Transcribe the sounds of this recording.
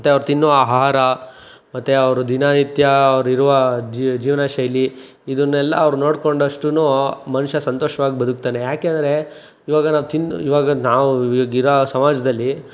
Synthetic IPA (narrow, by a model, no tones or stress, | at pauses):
ɐt̪ːeɐʋɐɾut̪inːuʋaːɦaɾɐ | mɐt̪ːeɐʋɐɾud̪inaːnit̪jɐːʋɐɾiɾuʋɐd͡ʒid͡ʒiːʋɐnaʃɐjli | id̪ɐnːɛlːɐ̰ːʋɐɾunoːɽkoɳɖɐʂʈunumɐnuʂɐsɐnt̪oːʂɐʋaːɡibɐd̪ʱuk̚t̪aːnejaːkeːnd̪ɐɾe̞ | iːʋaːɡɐnaːʋut̪inːuiːʋaːɡɐnaːʋuɡiɾɐsɐmaːd͡ʒɐd̪ɐlːi